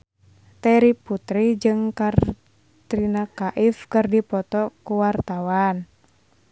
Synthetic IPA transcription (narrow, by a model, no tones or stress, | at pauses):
t̪ɛɾiput̪ɾid͡ʒɨŋkar | t̪ɾinakaʔifkɨrdipɔt̪ɔkuwart̪awan